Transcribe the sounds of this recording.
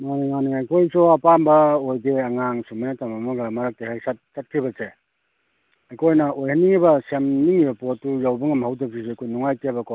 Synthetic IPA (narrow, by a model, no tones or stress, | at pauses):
maniŋaniŋajkʰojsɔapambɐojdeaŋaŋsumanatamamaɡɐmaɾak̚tehasat̚sat̚kʰibɐse | ajkʰojnɐʔojhaniŋibɐsemniŋibɐpotːujawbɯŋamhawdak̚sʰiseajkʰojnuŋajtebakʰo